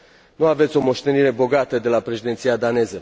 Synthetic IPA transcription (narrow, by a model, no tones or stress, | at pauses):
nuavet̪sʲo̞mo̞ʃt̪e̞niɾe̞bo̞ɡat̪əd̪e̞lapɾe̞ʃid̪e̞t̪sijad̪ane̞zə